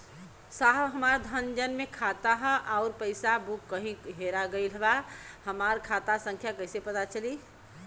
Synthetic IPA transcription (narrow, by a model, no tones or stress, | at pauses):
saɦɦəmaɾd̪ʱənd͡ʒənmẽkʰat̪aɦʔaʊɾpəɪsabukːəɦĩɦeɾaɡəɪlɦbahəmaɾkʰat̪asə̃ŋkʰjakəɦsepət̪at͡ʃəli